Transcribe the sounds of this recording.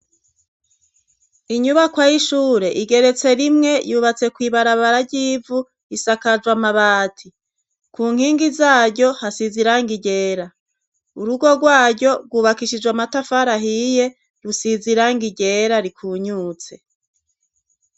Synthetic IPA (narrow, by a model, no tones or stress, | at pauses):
iɲuβakwajiʃuːɾe̞ʔiɡe̞ɾe̞t͡se̞ɾimŋe̞juːβat͡se̞kwiːβaɾaβaɾaɟivu | isakad͡ʒwamaβaːtʰi | kʰuːŋ̥iːŋɡizaːɟo̞hasiziɾaŋɡiɟe̞ːɾa | uɾuɡoɡwaːɟɟo̞b̚ɡwuːβakiʃid͡ʒwamatafaɾaɦije̞ | jusiziɾaŋɡiɟe̞ɾaɾikʰuːɲuːt͡se̞